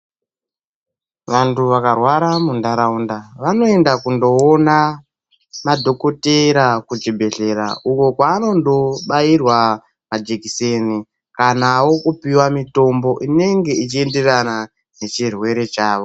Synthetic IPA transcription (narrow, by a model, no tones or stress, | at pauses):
ʋantuʋakarwaɾamundaɾaundaʋano̞e̞ndakundo̞ːna | madʱo̞ko̞teɾakud͡ʒibʱe̞ɬe̞ɾa̰uko̞kwaːno̞ndo̞ɓairwa | mad͡ʒekiseni | kanawo̞kupiwamito̞mbo̞ʔine̞ŋɡe̞it͡ʃie̞nde̞rana | ne̞t͡ʃirwe̞ɾe̞t͡ʃaːʋo̞